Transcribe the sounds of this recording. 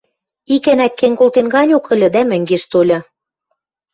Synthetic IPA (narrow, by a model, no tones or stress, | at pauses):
ikɘ̆nækːeŋkolt̪enɡɑnʲokə̆lʲɤ̆d̪æmɘ̆ŋɡeʃt̪olʲɤ̆